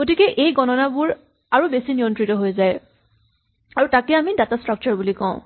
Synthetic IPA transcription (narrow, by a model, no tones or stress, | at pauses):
ɡ̥otikɛʔejɡɔnɔnabʊɹ | aɹubesiniɔntɹitɔɦojzaj | aɹutakɛamidatastɹɔk̚t͡ʃɔɹbulikɔ̰̃ʊ̃